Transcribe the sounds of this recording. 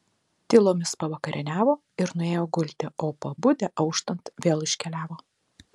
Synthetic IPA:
t̪ʲɪlˠoːmʲɪspɐʋɐkɐɾʲʔɪnʲæːʋoː | ɪɾnʊeːjoːɡʊlʲt̪ʲɪʔoːpɐbʊd̪ʲɛʔɐʊʃt̪ɐnt̪ʋʲeːlˠɪʃʲkʲɛlʲæːʋoː

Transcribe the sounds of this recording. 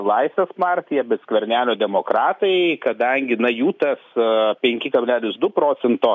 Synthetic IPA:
lˠɐɪsʲʋʲeːspɑˑɾʲt̪ʲɪjɛbʲɛt̪sʲkʋʲɛɾʲnʲæːlʲoːd̪ʲɛmoːkɾɑːt̪ɐɪkɐd̪ɐŋʲɡʲɪnɐjuːt̪ɐspʲɛŋʲkʲɪkɐbʲlʲæːlʲɪsd̪ʊpɾoːt͡s̪ʲɛnt̪oː

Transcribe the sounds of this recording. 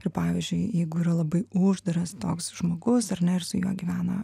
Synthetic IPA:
ɪɾpɑːʋʲizʲd͡ʒʲʊɪjɛɪɡʊiːɾɐlˠɐbɐɪʊʒd̪ɐɾɐst̪oːksʒ̥moːɡʊsɐɾnʲɛɪɾsʊjuɔɡʲiʋʲæːnɐ

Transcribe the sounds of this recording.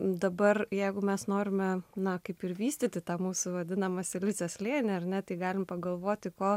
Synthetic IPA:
d̪ɐbɐrjɛɪɡʊmʲɛsnoːɾʲɪmʲɛnɐkɐɪpɪɾʋʲiːsʲt̪ʲɪt̪ʲɪt̪ɑːmuːsʊʋɐd̪ʲɪnɐmɐsʲɪlʲɪt͡sʲɛslʲeːnʲɛɐrnʲɛt̪ɐɪɡɑːlʲɪmpɐɡɐlˠʋoːt̪ʲɪkoː

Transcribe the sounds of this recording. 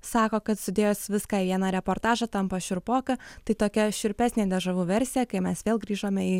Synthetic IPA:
sɑːkoːkɐt̪sʲɪd̪ʲeːjoːsʋʲɪskɑːiʋʲiɛnɐɾʲɛpoːɾt̪ɑːʒɐt̪ɐmpɐʃʲʊɾpoːkɐt̪ɐɪt̪oːkʲɛʃʲʊɾʲpʲæːsʲnʲeːd̪ʲɐʒɐʋuːʋʲɛɾʲsʲɪjɛkɐɪmʲɛsʋʲeːlˠɡɾʲiːʒoːmʲɛi

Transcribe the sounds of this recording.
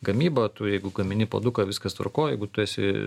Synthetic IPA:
ɡɐmʲiːbɐt̪ʊjɛɪɡʊɡɐmʲɪnʲɪpo̰ːd̪ʊkɐʋʲɪskɐst̪ʋɐ̰ɾkoːjɛɪɡʊt̪ʊɛsʲɪ̰

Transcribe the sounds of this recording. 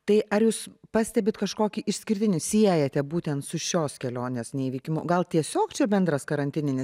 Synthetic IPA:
t̪ɐɪʔɐɾjuːspɑːsʲt̪ʲɛbʲɪt̪kɐʃkoːkʲiːʔɪʃʲsʲkʲɪɾʲt̪ʲɪnʲɪsʲiɛjɛt̪ʲɛbuːt̪ʲɛnt̪sʊʃʲoːskʲɛlʲoːnʲeːsnʲɛiʋʲiːkʲɪmʊɡɐlˠt̪ʲiɛsʲoːkt͡ʃʲɛbʲɛnd̪ɾɐskɐɾɐnʲt̪ʲɪnʲɪnʲɪs

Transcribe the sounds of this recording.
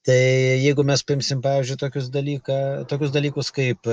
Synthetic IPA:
t̪ɐɪjɛɪɡʊmʲɛspɐɪmʲsʲɪmpɑːʋʲɪːzʲd͡ʒʲʊɪt̪oːkʲʊs̬d̪ɐlʲiːkɑːt̪oːkʲʊs̬d̪ɐlʲiːkʊskɐɪp

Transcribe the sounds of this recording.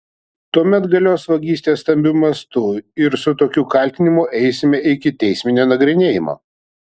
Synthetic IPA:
t̪uɔmʲɛt̪ɡɐlʲoːsʋɐɡʲiːsʲt̪ʲeːst̪ɐmʲbʲʊmɐst̪ʊɪɾsʊt̪oːkʲuːkɐlʲˑt̪ʲɪnʲɪmʊʔɛɪsʲɪmʲɛɪkʲɪt̪ʲɛɪsʲmʲɪnʲoːnɐɡɾʲɪnʲeːjɪmo̰ː

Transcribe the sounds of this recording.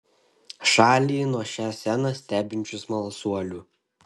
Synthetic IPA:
ʃɑːlʲiːnuɔʃʲæːsʲænɐsʲt̪ʲæːbʲɪnʲt͡ʃʲʊsmɐlˠsuɔlʲuː

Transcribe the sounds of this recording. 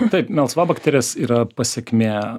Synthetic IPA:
t̪ɐɪpmʲɛlˠsʋɑːbɐkt̪ʲeɾʲeːsiːɾɐpɐsʲɛkʲmʲeː

